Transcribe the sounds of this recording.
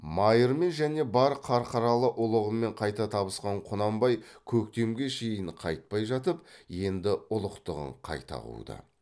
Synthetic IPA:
mɑjəɾme̞nʒæne̞bɑɾqʰɑɾqʰɑɾɑlˠəʔʊlˠəʁəme̞ɴqʰɑjt̪ɑt̪ʰɑbəsqɑɴqʰʊnɑmbɑjkʲʰɵkt̪e̞mɡʲe̞ʃe̞jɪɴqʰɑ̰jt̪̚pɑjʒɑt̪̬əp̚je̞nd̪ɪʊlˠəqt̪əʁə̰ɴqʰɑ̰jt̪ɑ̰ʁṵwd̪ə̰

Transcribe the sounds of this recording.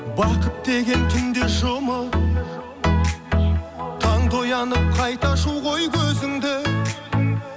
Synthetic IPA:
bɑqʰəp̚d̪e̞ɡʲe̞nt̪ʰʏnd̪eʒomə | t̪ʰɑɴd̪o̞jɑnəp̚qʰɑjt̪ɑʃuwʁo̞jkʲʰɵzɪŋd̪ɪ

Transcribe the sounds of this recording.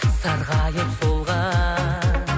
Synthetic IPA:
sɑɾʁɑjəqbolˠʁɑ

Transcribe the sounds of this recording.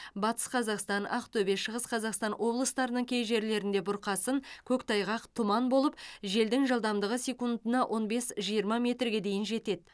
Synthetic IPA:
bɑt̪ə̥sqʰɑzɑqst̪ɑnɑ̰qt̪ʰɵbe̞ʃəʁəsqʰɑzɑqst̪ɑnwʔo̞blˠəst̪ɑɾənəɴkʲʰe̞jʒe̞ɾle̞ɾɪnd̪e̞bʊɾqɑsəŋkʲʰɵkt̪ʰɑjʁɑqt̪ʰʊmɑnbo̞lˠəp̚ʒe̞ld̪ɪŋʒɑlˠd̪ɑmd̪əʁəsʲe̞kund̪ənɑwʔo̞nbe̞sʒijəɾmɑmʲe̞t̪rɡʲe̞d̪e̞jɪnʒe̞t̪e̞d̪̚

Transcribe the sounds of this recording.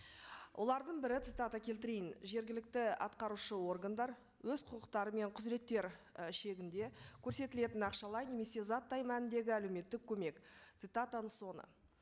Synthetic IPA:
wʔo̞lˠɑɾd̪əɴbɪɾɪt̪sɨt̪at̪akʲʰe̞lt̪ɪɾejɪnʒe̞ɾɡʲɪlɪk̚t̪ɪɑ̰t̪qɑɾuʃəwo̞rɡand̪ɑɾ | wɵzqʰʊqəqt̪ɑɾəme̞ɴqʰʊzɾe̞t̪ːe̞ɾʃe̞ɡʲɪnd̪e̞kʲʰɵɾse̞t̪ɪle̞t̪ɪnɑqʃɑlˠɑjne̞me̞se̞zɑt̪ːɑjmænɪnd̪e̞ɡʲɪælewme̞t̪ːɪkʲʰːɵme̞kt̪sɨt̪at̪anəso̞nə̰

